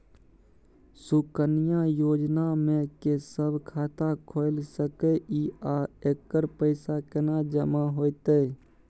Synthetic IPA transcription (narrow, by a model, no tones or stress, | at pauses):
sʊkənijajoːd͡ʒnamẽkesəbʱkʰaːt̪akʰoːɪlsəkeiːaekːəɾpəɪsakənad͡ʒəmaɦoːt̪e